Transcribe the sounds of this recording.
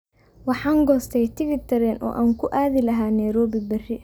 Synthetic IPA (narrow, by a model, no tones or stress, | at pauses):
wɑħɑːŋɡɔːst̪ʰɛjt̪ʰɪfɪt̪ʰɐɾɛnʔɔ̰ːʔaːŋkʰʊʔaːðɪlɐɦaːnɛjɾɔːbɪbɐrɪ